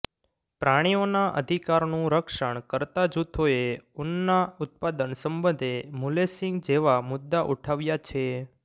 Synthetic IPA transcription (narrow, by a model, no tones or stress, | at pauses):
pɾaɽ̃ionaʔə̰d̪ʱikaɾnũɾəkʃəɳ̃kəɾt̪ad͡ʒut̪ʰoeunːaut̪̚pad̪ənsəmbə̃nd̪ʱemulesɪ̃ŋɡd͡ʒeʋamʊd̪ːaʔuʈʰaʋjat͡ʃʰe